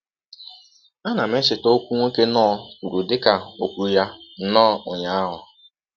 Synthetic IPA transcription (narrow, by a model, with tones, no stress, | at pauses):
a˦na˨me˦t͡ʃɪ˨to˦kʷu˦ŋʷe˦ke˦nɔː˦u˨ɾu˨dɪ˦ka˨o˨kʷu˨ja˦nɔː˦ʊ˨ɲa˨a˦ɦʊ˨